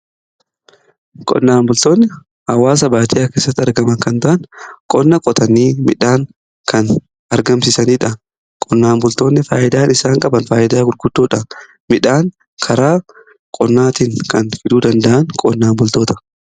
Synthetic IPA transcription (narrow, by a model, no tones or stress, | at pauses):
kʼɔ̰nːaːmbʊlt̪oːnːɛ | ɐwːaːs̬ɐbaːt̪ɪjaːke̞ːsːɐt̪ːɐɾɡɐmɐnkɐnt̪ɐʔɐnkʼɔnːɐkʼɔt̪ʰɐniːmɪᶑaːŋ | kʰɐn | ɐɾɡɐmsɪsɐniːᶑɐ | kʼɔnːaːmbʊlt̪o̞ːnːɛfaːjʔɪd̪aːnɪsaːŋkʼɐbɐnfaːjɪd̪aːɡʊɾɡʊd̪ːoːᶑɐ | mɪᶑaːŋ | kʰɐɾaː | kʼɔnːaːt̪iŋkɐnfɪd̪uːd̪ɐnd̪ɐʔɐnkʼɔnːaːmbʊlt̪oːt̪ɐ̥